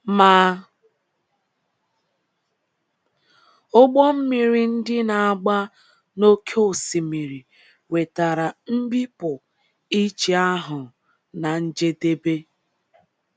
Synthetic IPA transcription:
maː˦ | ʊ˦ɡ͡bɔ˦m̩˦mi˨ɾi˨n̩˦dɪ˦na˨a˦ɡ͡ba˦ | no˦kʰe˦o˨si˨mi˨ɾi˨ | we˨ta˨ɾa˨m̩˦bi˦pʊ˨ | i˦t͡ʃe˨a˦ɦʊ˨ | na˨n̩˦d͡ʒe˦de˦be˦

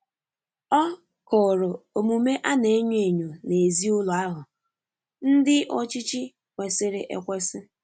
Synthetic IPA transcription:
ɔ˦ | kʊ˨ɾʊ˨o˨mu˨me˦ʔa˦ne˨˦ɲ˦e˨ɲo˨ne˨e˨zi˦ʊ˦lʊ˨a˦ɦʊ˨ | n̩˦dɪ˦ʔɔ˦t͡ʃi˦t͡ʃi˦ | kʷe˨sɪ˦ɾɪ˨ʔḛ˦˨kʷe˦sɪ˦

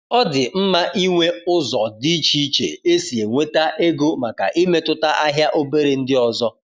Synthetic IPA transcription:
ɔ˦dɪ˨m̩˦ma˦ʔi˦ŋʷe˦ʊ˦zɔ˨di˦t͡ʃi˦t͡ʃḛ˨e˦si˨e˨ŋʷe˦ta˦ʔe˦ɡo˦ma˨ka̰˨ʔi˦me˦tʊ˦ta˦ʔa˦ɦja˦ʔo˦be˦ɾe˨n̩˦dɪ˦ɔ˨zɔ˦

